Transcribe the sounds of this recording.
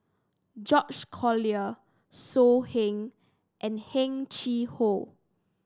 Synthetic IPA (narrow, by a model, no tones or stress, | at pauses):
d͡ʒɔt͡ʃkʰɔliə | sohɛ̃ŋ | ʔɛ̃nhɛ̃ŋt͡ʃiho